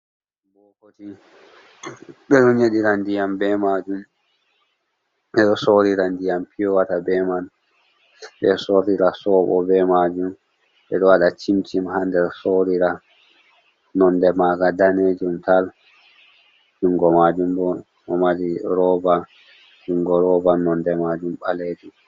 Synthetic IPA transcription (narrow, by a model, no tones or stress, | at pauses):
bɔkoti | ɓɛɗɔɲeɗiɾandijambɛmad͡ʒum | ɓɛɗɔsoɾiɾandijampʰijɔwatabɛman | ɓɛsoɾiɾasɔːɓɔ̰bɛmad͡ʒum | ɓɛ̰ɗɔwaɗat͡ʃimt͡ʃimhandɛɾsoɾiɾa | nɔndɛmaɡadaned͡ʒumtal | d͡ʒuŋɡɔmad͡ʒumbɔ | ʔɔmaɗiɾɔba | d͡ʒuŋɡɔɾɔbanɔndɛmad͡ʒumɓaleːd͡ʒum